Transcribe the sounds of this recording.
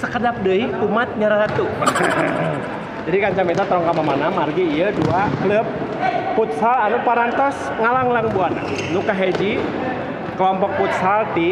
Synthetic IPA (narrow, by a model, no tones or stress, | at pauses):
sə̥kədap̚dəiumat̪̚ɲaɾat̪u | d͡ʒadikaɲt͡ʃamɛt̪̬at̪ɾɔŋkamamanamarɡiːjəduakləp̚ː | ut̪̚salanupaɾant̪ɔs | ŋalaŋlaŋbuana̰ŋnukaɦed͡ʒi | kəlɔmpɔk̚put̪̚salt̪i